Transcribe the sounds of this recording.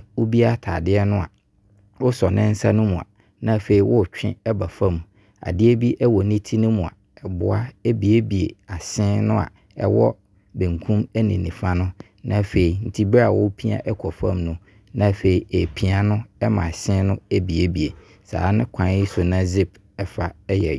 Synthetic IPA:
wʊ˦bi˦a˦tʰaː˨dɪ˦ɛ˦nʊ̃˦a̰˨ | wʊ˦sɔ˨nɪ̃˦n̩˦sa˦nʊ̃˦mũ˨a̰˨ | nã˦˨fe˨i˨wʊ˦˨t͡ɕᶣɪ̰̃˦ɛ˦ba˨fã˦˨m˨ | a̰˨dɪ˦e˦bi˦ʔɛ˦wɔ˨nĩ˦tʰi˦nʊ̃˦mũ˨a̰˨ | ɛ˨bʊ̰˨a˦ɛ˦bi˨e˦bi˨ḛ˨a˨ɕɪ̃˦nʊ̃˦a̰˨ | ɛ̰˦wɔ̰˦ | bẽ˨ŋ˨kʰũ˦mɛ˦nḭ̃˨nḭ̃˨fa˦nʊ̃˦ | nã˦˨fe˨i˨n̩˦tʰi˦ba˨wʊ̰˦pʰi˦a̰˦ʔɛ˦kʰɔ˨fã̰˦˨mnʊ̃˦ | nã˦˨fe˨i˨e˨pʰi˨a˦nʊ̃˦ɛ˦mã̰˨sɪ̃˦nʊ̃˦e˦bi˨e˦bi˨e˨ | sa̰ː˨˦nɪ̃˦kʷʰã˨˦n˦i˦sʊ˨nã˦zɪ˦b | ɛ˦fa˨ɛ˦jɛ˨

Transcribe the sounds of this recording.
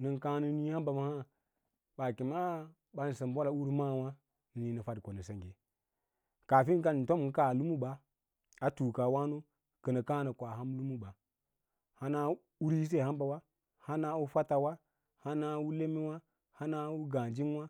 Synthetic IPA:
nə˨ka˦nə˦ni˦ha˦mba˨ma˨ha˦ | ɓa˨ki˨ma˦ | ɓa˨˦n˨sə˨m˨bʷa˦la˨u˦ɾma˦˨wa˦ | nə˨ni˦nə˨fa˦dkʷo˨nə˨sə˨ŋɡe˨ | ka˨fi˦n˦ka˦˨n̩˨to˦m˨n˨˦ka˦˨lu˦mu˦ɓa˨ | a˨tu˨ka˨wa˦no˦ | kə˨nə˨ka˦nə˨kʷa˨ɦa˦mlu˦mu˦ɓa˨ | ha˦na˦ | u˦ɾi˦s̬e˦˨ha˦mba˨wa˦ | ha˦na˦wu˦fa˦ta˨wa˦ | ha˦na˦wu˦le˦mi˦wa˦ | ha˦na˦wu˦ɡa˨d͡ʒi˦nwa˦

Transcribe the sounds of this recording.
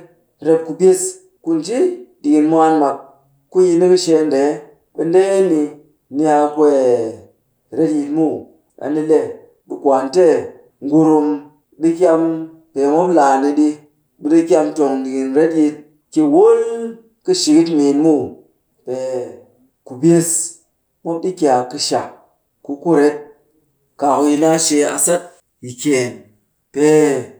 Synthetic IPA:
ɾe˧p̚ku˨bi˦s | ku˦n˨d͡ʒi˦di˨ki˨nmʷ˦a˦nma˨k̚ | ku˦ji˧ni˦kɨ˦ʃe˧˦nde˨˦ | ɓi˨n˦de˦je˦ni˧ | ni˦a˧kwe˦˨ | ɾe˦tji˧tmu˦ | a̰˨ni˦le˦˨ | ɓi˨kʷa˨nte˦ | ŋɡu˧ɾu˧m | ɗi˦k̬ʲa˧m | pe˨mo˦pla˨ni˧ɗi˦ | bɨ˦di˦k̬ʲa˧mto˨ŋ˨ɡi˨nɾe˦tji˧t̚ | ki˨wo˦l | kɨ˧ʃi˨ki˦tmi˨nmu˦˨ | pe˨ | ku˨be˦s | mo˦p̚ɗi˦kʲa˨kɨ˧ʃa˨ | ku˧ku˦ɾe˦t̚ | ka˨ku˧ji˧na˦ʃe˧a̰˧sa˦t̚ | ji˨kʲe˨n | pe˨

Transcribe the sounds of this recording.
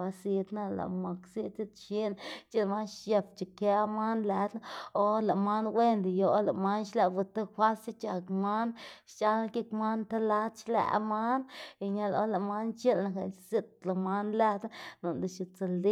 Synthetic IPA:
a˧si˧d̪na˦la̰˨ma˨ksi˦t̪t͡si˦t̪ʃi˦n˨t͡ʃi˦lma˦nʃja˧pt͡ʃi˨kja˦ma˦nle˧d̪na˦o˦la˨ma˦nwʷe˦nd̪i˨jo˨la˨ma˦nʃla˧bu˧t̪a˦xʷa˦si˦t͡ʃa˧˨kma˦nʃt͡ʃa˦la˦ke˦kma˦nt̪a˦la˦t̪t͡ʃla̰˧ʔma˦ni˨ɲa˧lo̰˦la˨ma˦nt͡ʃe˦lna˧ka˧˨˧si˦˧t̪la˨ma˦nlæ˦d̪na˦no˨nd̪e˨ʃi˧t͡sa˨ld̪i˦

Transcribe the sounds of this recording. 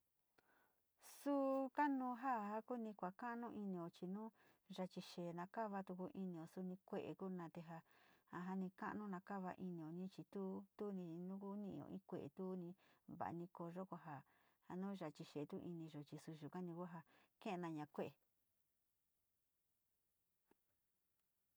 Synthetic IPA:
su˦ka˦nũː˧ɦa˦˨ha˦ku˦nĩ˧kʷa˨ka˦ʔnũ˦ʔi˧nĩ˧õ˨t͡ʃi˧nũː˦ | ʐa˧t͡ʃi˧ʃe˨nã˧ka˦βa˧t̪u˧ku˧ʔi˧nĩ˧õ˨su˧nĩ˧kʷe˦ʔḛ˨ku˦nã˧t̪e˧ɦa˧ha˧ɦa˧nĩ˧ka̰˦˧nũ˦nã˧ka˦βa̰˧ʔi˧nĩ˧õ˨nĩ˦t͡ʃi˧t̪u˦t̪u˦nĩ˧nũ˦ku˦nĩ˦ʔõ̰˨ʔĩ˦kʷe˨ḛ˨t̪u˦nĩ˧βa̰˨ʔa̰˧nĩ˧ko˧ʒo˦kʷa˧ɦa˧ | ha˧nũː˦ʒa˧˨t͡ʃi˧ʃeː˨t̪u˦ʔi˧nĩ˧ʒo˨t͡ʃi˧su˧ʒu˨ka˦nĩ˧ku˦ɦa˧kẽ˦e˧nã˧ɲã˧kʷe˦ʔe˨

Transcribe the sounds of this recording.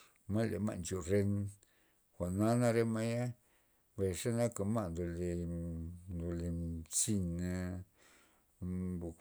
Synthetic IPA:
ma˦lḛ˨ma̰˦˧ʔnt͡ʃo˨ɾe˧n | xʷa˨na˦na˦ɾe˦ma˦ja˦ | be˨ʂe˦na˦ka˨ma˦ʔnd̪o˨le˧˨ | nd̪o˨le˨si˧na˧ | bu˨

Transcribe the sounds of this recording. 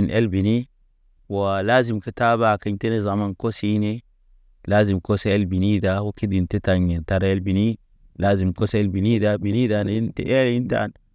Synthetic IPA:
i˨nʔe˦lbi˨ni˦ | wa˨laː˦zi˨mki˨ta˦ba˨ka˨ɲte˦ne˦za˨ma˦nko˦si˦ne˦ | laː˦zi˨mko˦se˦e˦lbi˨ni˦da˦wa˦ki˦di˨nte˦ta˨ɲi˨nta˦ɾe˦lbi˨ni˦ | laː˦zi˨mko˦se˦lbi˨ni˦da˦bi˨ni˦da˨n˦nte˨ʔe˦li˦nta̰˦˨n

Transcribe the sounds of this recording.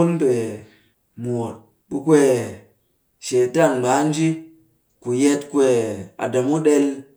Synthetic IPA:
o˦npe˨ | mu˨o˨t̚ | ɓu˦kwe˦ | ʃe˨ta˦˨nɡ͡ba˨˦n˦d͡ʒi˦ | ku˨je˦tkwe˨a̰˨da˨mu˦ɗe˦l

